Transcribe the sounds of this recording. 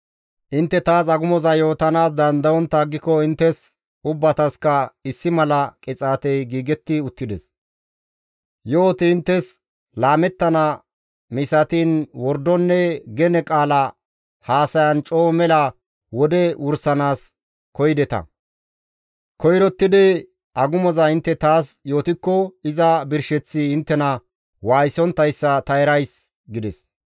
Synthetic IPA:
ʔɪnt̪ːɛt̪aːsɐɡʊmɔzɐjo̞ːt̪ɐnaːs̬d̪ɐnd̪ɐwɔnt̪ːaːɡːɪkɔɪnt̪ːɛs | ʊbːɐt̪ɐskɐɪsːɪmɐlɐkʼɪt͡sʼaːt̪ɛjɡiːɡɛt̪ːɪʊt̪ːɪd̪ɛs | joːt̪ɪɪnt̪ːɛs | laːmɛt̪ːɐnɐ | mɪsɐt̪iːnwɔɾd̪ɔnːɛɡɛnɛkʼaːlɐ | haːsɐjɐnt͡ʃʼo̞ːmɛlɐ | wɔd̪ɛwʊɾsɐnaːs | kɔjd̪ɛt̪ɐ̰ | kɔjɾɔt̪ːɪd̪ɛ | ʔɐɡʊmɔzɐɪnt̪ːɛt̪aːsjo̞ːt̪ɪkːɔɪzɐbɪɾʃɛt͡sːiɪnt̪ːɛnɐ | waːjsɔnt̪ːɐjsːɐt̪ɐɛɾɐjs | ɡɪd̪ɛs

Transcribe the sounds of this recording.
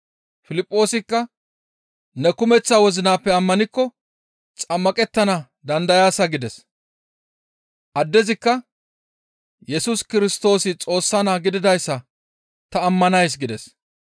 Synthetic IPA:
fɪlɪpʼːo̞ːsɪkːɐ | nɛkʊmɛt͡sːaːwɔzɪnaːpːɛɐmːɐnɪkːɔ | t͡sʼɐmːɐkʼɛt̪ːɐnɐ | d̪ɐnd̪ɐjaːsɐɡɪd̪ɛs | ʔɐd̪ːɛzɪkːɐ | jɛsʊskɪɾɪst̪o̞ːsɪt͡sʼo̞ːsːɐnaːɡɪd̪ɪd̪ɐjsːɐ | t̪ɐːmːɐnɐjs̬ɡɪd̪ɛs

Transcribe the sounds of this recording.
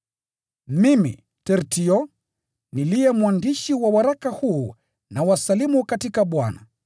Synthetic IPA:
mimḭ | tɛɾtiɔ | nilijɛmwandiʃiwawaɾakahuː | nawasalimukatikaɓwana̰

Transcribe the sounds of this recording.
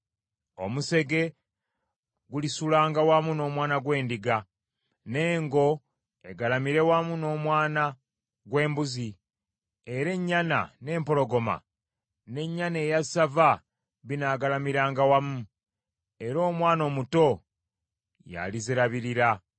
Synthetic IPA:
o̞̰muse̞ɡe̞ | ɡulisulaːŋɡawamuno̞ːmwaːnaɡwe̞ːndiɡa | ne̞ːŋɡo̞ | e̞ɡalamiɾe̞wamuno̞ːmwaːna | ɡwe̞ːmbuzi | e̞ɾe̞ɲːana̰ne̞ːmpo̞lo̞ɡo̞ma̰ | ne̞ɲːane̞ːjasava | βinaːɡalamiɾaːŋɡawamu | e̞ɾo̞ːmwaːno̞ːmuto̞ | ja̰lizeɾaβiɾiɾa

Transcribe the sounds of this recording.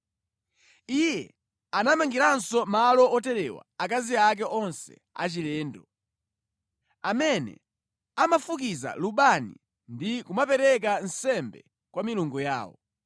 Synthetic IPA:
ijɛ | anamaŋɡiɾansɔmalɔɔtɛɾɛwa̰akaziak̬ɛʔɔnsɛ̰ | a̰t͡ʃilɛːndɔ | amɛnɛ̰ | amafuk̬iza̰luɓanḭ | ndikumapɛɾɛk̬an̩sɛmbɛ | kwamiluŋɡɔja̰ːwɔ̰

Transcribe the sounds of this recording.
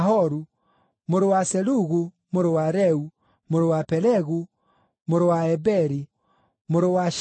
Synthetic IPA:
ɦɔɾu | moɾowasɛluɣu | moɾowaɾɛu | moɾowapɛlɛɣu | moɾowaɛbɛɾi | moɾowaʃ

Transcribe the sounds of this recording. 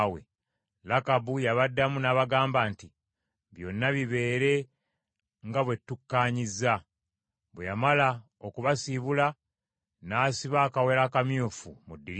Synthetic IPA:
wḛ | lakabujaβadːamunaːβaɡaːmbaːnti | βjo̞nːaβiβe̞ːɾe̞ | ŋɡaβwe̞tːukːaːɲizːa | βwejamala | okuβasiβula | naːsiβaːkawe̞ɾakamjuːfṵmudːiɾ

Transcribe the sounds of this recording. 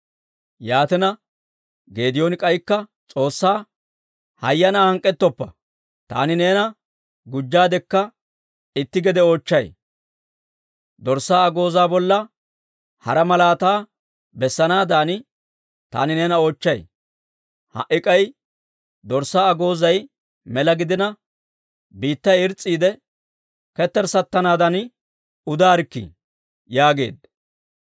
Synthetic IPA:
jaːt̪ɛnɐ | ɡe̞ːd̪ɪjoːnɪkʼɐjkːɐt͡sʼo̞ːsːaː | hɐ̰jːɐnaːhɐŋkʼːɛt̪ːɔpːɐ | t̪a̰ːnɪneːnɐ | ɡʊd͡ʒːaːd̪ɛkːɐ | ɪt̪ːɪɡɛd̪ɛo̞ːt͡ʃːɐj | d̪ɔɾsːaːɐɡo̞ːzaːbɔlːɐ | hɐ̰ɾɐmɐlaːt̪aː | bɛsːɐnaːd̪aːnɪ | t̪a̰ːnɪnɛnɐo̞ːt͡ʃːɐj | hɐ̰ʔɪkʼɐj | d̪ɔɾsːaːɐɡo̞ːzɐj | mɛlɐɡɪd̪ɪnɐ | biːt̪ːɐjɪɾt͡sʼːiːd̪ɛ | kɛt̪ːɛɾsɐt̪ːɐnaːd̪ɐn | ʊd̪aːɾkːḭ | jaːɡe̞̰ːd̪̚

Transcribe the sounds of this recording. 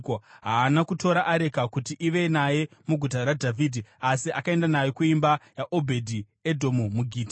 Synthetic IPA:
koɦaːnakuto̞ɾaʔaɾe̞kakutiʔiʋe̞naje̞muɡʱutaɾadʱavʱiːdʱiasiʔakae̞ndanaje̞kuimbajaʔo̞bʱe̞dʱi | edʱo̞mumuɡʱiːta

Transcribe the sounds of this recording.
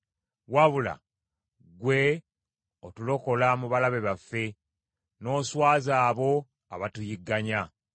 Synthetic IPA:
waβula̰ | ɡwe̞ | otulo̞ko̞lamuβalaβe̞βafːe̞ | no̞ːswaːzaːβo̞ | a̰βatujiɡːaɲa

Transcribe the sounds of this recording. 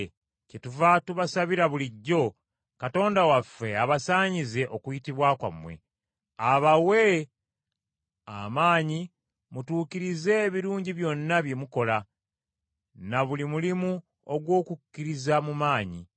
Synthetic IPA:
cetuvatuβasaβiɾaβuliɟːo̞ | kato̞ːndawafːe̞aβasaːɲize̞ʔo̞kujitiβwaːkwa̰mːwe̞̰ | aβawe | a̰maːɲi | mutuːkiɾize̞ːβiɾuːɲɟiβjo̞nːaβje̞muko̞la | naβulimulimu | oɡwo̞ːkukːiɾizamumaːɲḭ

